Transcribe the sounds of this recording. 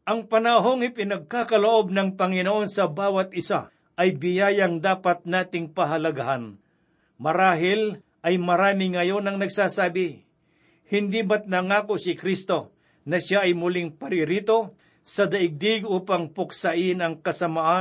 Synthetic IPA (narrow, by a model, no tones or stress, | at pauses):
ʔɐŋpɐnaɦo̞ŋɪpɪnɐɡ̚kaːkɐloʔo̞b̚nɐŋpɐŋɪnoʔo̞nsɐbaːwɐt̪̚ʔɪsa̰ | ʔɐjbɪjaːjɐŋd̪aːpɐt̪̚naːt̪ɪŋpɐɦɐlɐɡɐɦan | mɐɾaːɦɪl | ʔɐjmɐɾaːmɪŋɐjo̞nɐŋnɐɡsaːsaːbɪ | hɪnd̪ibɐt̪̚nɐŋaːkosɪkɾist̪o̞ | nɐʃaʔɐjmʊlɪŋpɐɾɪɾiːt̪o̞ | sɐd̪ɐʔɪɡ̚d̪ɪɡʔuːpɐŋpʊk̚sɐʔɪnɐŋkɐsɐmaʔa